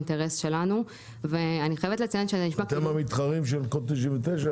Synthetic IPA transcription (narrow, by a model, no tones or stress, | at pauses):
nteʁesʃe̞lanu | veaniχajevet̪let͡sejanʃeniʃmat̪emamit̪χaʁimʃ̬elkot̪iʃ̬invet̪eʃa